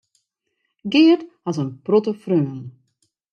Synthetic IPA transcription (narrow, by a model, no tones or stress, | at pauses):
ɡɪːəthɑtənprɔtəfrøːn